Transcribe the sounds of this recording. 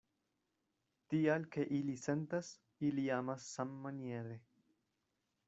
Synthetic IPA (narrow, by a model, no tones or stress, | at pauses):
t̪ijalkʰeʔilisent̪ɐs | iliaːmɐsːɐmːɐnjeðe